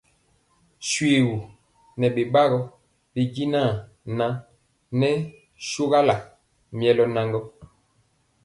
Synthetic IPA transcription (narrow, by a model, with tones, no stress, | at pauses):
ʃwe˨wu˨ | nɛ˨be˨ba˦ɣɔ˦ | be˨ɡi˦naː˦˨ | na˦ŋ | nɛ˦ | ʃo˦ɣa˦la˨ | mjɛ˦lɔ˦na˦ŋɡɔ˦